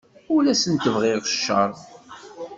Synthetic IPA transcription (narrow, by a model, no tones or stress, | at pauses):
ulæsənt̪əvʁɪʁəʃːəɾˤ